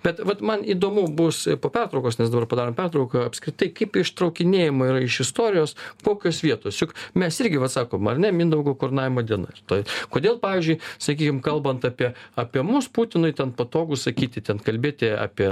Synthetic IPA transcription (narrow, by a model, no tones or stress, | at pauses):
bʲɛt̪ʋɐt̪mɐniːd̪oːmʊbuspoːpʲɛrt̪ɾɐʊkoːsnʲɛsd̪ɐbɐrpɐd̪ɑːɾoːmpʲɛrt̪ɾɐʊkɐɐpʲskɾʲɪt̪ɐɪkɐɪpɪʃt̪ɾɐʊkʲɪnʲeːjɪmoːiːɾɐɪʃɪst̪oːɾʲɪjoːskoːkʲoːsʋʲiɛt̪oːsjʊkmʲɛsɪɾʲɡʲɪʋɐt̪sɑːkoːmɐrnʲɛmʲɪnd̪ɐʊɡoːkoːɾnɑːʋʲɪmoːd̪ʲiɛnɐ̰ɪrt̪oːkoːd̪ʲeːlˠpɑːʋʲiːzʲd͡ʒʲʊɪsɐkʲiːkʲɪmkɐlˠbɐnt̪ɑpʲiɛɑːpʲiɛmʊspuːt̪ʲɪnʊɪtʲɛnpɐt̪oːɡʊssɐkʲiːt̪ʲɪt̪ʲɛnkɐlʲbʲeːt̪ʲɪɑ̰ːpʲiɛ